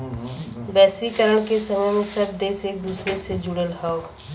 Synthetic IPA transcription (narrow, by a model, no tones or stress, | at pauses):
bɛːswikəɾəɽ̃kesɐməjmẽsɐb̚d̪eːseːk̚d̪uːsɾesed͡ʒuɽəlɦao